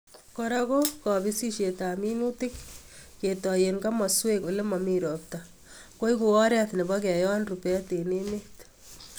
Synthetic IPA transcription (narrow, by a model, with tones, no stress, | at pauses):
kɔɾakokɔ˨bi˦si˦ʃetaminu˦tɪ˦k | ketɔjenkama˨sweko˨le˦mamiɾo˨p̚ta | ko˦jku˨ɔ˦ɾɛ˦tne˨bak̬ɛ˨jɔ˦nrupɛ˦te˨nemet